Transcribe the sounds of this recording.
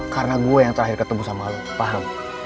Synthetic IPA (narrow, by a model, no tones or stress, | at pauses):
kaɾənaɡuajaŋt̪əɾaɦɪrkət̪umusamal | paɦam